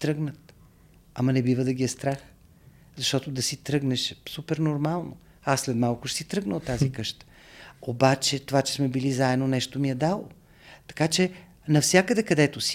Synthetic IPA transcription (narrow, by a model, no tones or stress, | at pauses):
t̪ɾɤɡnət̪ | ɐmɐnɛbivəd̪ɐɡʲiɛst̪ɾax | zɐʃt̪ɔt̪od̪ɐsit̪ɾɤɡnɛʃsupɛɾnoɾmalˠno | asːlɛt̪malˠkʊʃsit̪ɾɤɡnət̪ːazikɤʃt̪ə̥ | obat͡ʃɛt̪ovat͡ʃɛ̥smɛbilizaɛd̪nonɛʃt̪omiɛd̪alˠo | t̪ɐ̥kat͡ʃɛ | nɐfsʲakəd̪ɛkɐd̪ɛt̪ʊsi